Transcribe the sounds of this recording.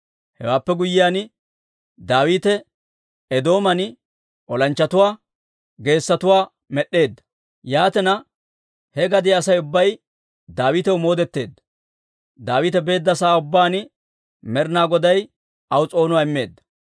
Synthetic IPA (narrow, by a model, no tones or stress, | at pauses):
hɛ̰waːpːɛɡʊjːɪjaːn | d̪aːwiːt̪ɛ | ɛd̪o̞ːmɐn | ʔɔlɐnt͡ʃːɐt̪ʊwaː | ɡe̞ːsːɐt̪ʊwaː | mɛɗːe̞ːd̪ːɐ̥ | jaːt̪ɛnɐ | hɛɡɐd̪ɪːsɐjʊbːɐj | d̪aːwiːt̪ɛwʊmo̞ːd̪ɛt̪ːe̞ːd̪ːɐ̥ | d̪aːwiːt̪ɛbe̞ːd̪ːɐsaːʊbːaːnɪ | mɛɾnaːɡɔd̪ɐj | ɐwt͡sʼo̞ːnʊwaːɪmːe̞ːd̪ːɐ̥